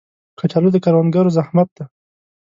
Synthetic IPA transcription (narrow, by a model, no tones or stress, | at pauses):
kat͡ʃalod̪əkaɾwanɡaɾozahmat̪̚d̪a